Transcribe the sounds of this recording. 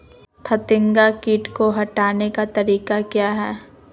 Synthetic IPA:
t̪ʰɐt̪ɪ̃ŋɡakiːʈkoɦɐʈaːnekat̪ɐɾiːkakjaːɦɛː

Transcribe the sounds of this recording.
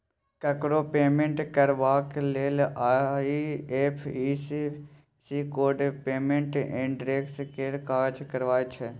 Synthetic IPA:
kəkɾopeːmẽɳʈkəɾʋaːkleːlaieːpʰiːsi | sikoːɾɖpeːmẽɳʈɪ̃ɳɖɾeːkskeːɾkaːd͡ʒkəɾʋaːet͡ʃʰe

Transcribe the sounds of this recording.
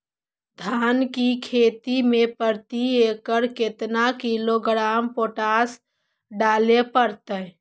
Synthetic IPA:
d̪ʱaːnkikʰet̪imepəɾt̪iekəɾket̪nakiloɡɾampoːʈas | ɖaːlepəɾt̪ə

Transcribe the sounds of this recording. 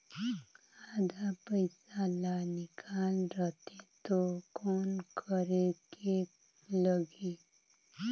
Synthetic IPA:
ad̪ʱapəɪsalanɪkʰaːlɾət̪et̪okoːnkʰəɾeke | ləɡe

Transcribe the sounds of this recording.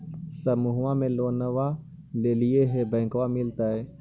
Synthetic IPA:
səmuɦãmẽloːnəʋa | leːlieɦɛbɛ̃ːkʋamɪlt̪aɦɛː

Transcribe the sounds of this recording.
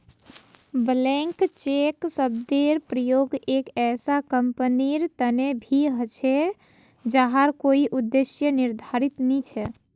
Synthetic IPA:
blɛ̃ŋkt͡ʃeksəbd̪eɾpɾəjoɡekɛsakəmpəniɾt̪ənebʱiɦət͡ʃʰɛ | d͡ʒaɦaɾkoiʔud̪ːesjəniɾd̪ʱaɾit̪nit͡ʃʰɛ

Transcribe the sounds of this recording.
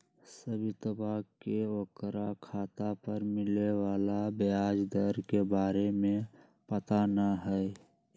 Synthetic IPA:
səbʱit̪əbakeokɾakʰaːt̪apəɾmɪlewaːlabejad͡ʒd̪əɾkebaːɾemẽ | pət̪anəɦəɛ

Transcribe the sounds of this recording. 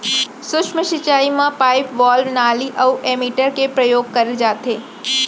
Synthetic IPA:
sʊʃʰməʃɪt͡ʃaːimãpaːɪpʋaːlʋnaːliʔɐuʔeːmiːʈəɾkepɾɐjoːɡkɐɾed͡ʒaːt̪eː

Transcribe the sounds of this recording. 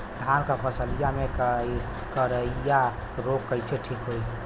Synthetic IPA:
d̪ʱankapʰəsəlijame | kəɾəija | ɾoɡkːəɪseʈʰikɦoi

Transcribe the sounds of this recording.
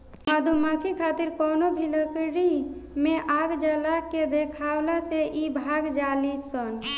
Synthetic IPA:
mad̪ʱumakʰikʰat̪iɾkɔːnobʱiləkɾimẽʔaɡd͡ʒalaked̪ekʰawlaseʔibʱaɡd͡ʒaːlisən

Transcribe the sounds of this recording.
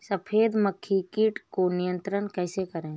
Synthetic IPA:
səpʰeːd̪məkʰːikiʈkonijə̃nt̪ɾənkɛːsekəɾẽː

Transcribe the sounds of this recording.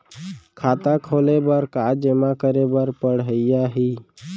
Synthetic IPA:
kʰaːt̪akʰolebəɾkad͡ʒemakəɾebəɾpəɽɦəɪjaɦi

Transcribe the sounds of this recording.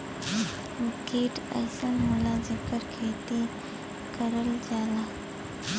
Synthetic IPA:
ʋikeʈə̰jsənmulad͡zəkəɾkʰet̪i | kəɾəld͡zala

